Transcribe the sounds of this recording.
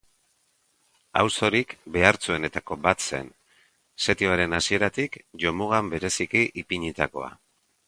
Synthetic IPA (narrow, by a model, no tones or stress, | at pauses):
a̰wso̞ɾikbe̞aɾt͡sue̞ne̞t̪ako̞bat̪se̞̰n | se̞t̪ioaɾe̞nasie̞ɾat̪ikʝo̞muɣ̞ambe̞ɾe̞sikiʔipiɲit̪ako̞̰a̰